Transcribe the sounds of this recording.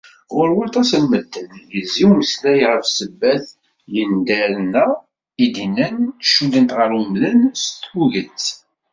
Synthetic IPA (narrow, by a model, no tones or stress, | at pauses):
ʊɾwɑlt̪ˤɑsəlməd̪ːənjəzːiwməslæjʁəfsəbːæθ | jənd̪æɾənæ | id̪inənʃund̪ənt̪ʁəɾəmðənst̪uʝət͡sː